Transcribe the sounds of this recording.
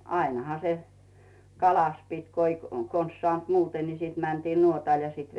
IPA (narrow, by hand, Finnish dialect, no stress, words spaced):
ɑinɑ̆hɑ se kɑlɑs pitʲ ko i kons sŏɑˑnt muːte ni siːt mæntiːn nuotɑˑl jɑ siːt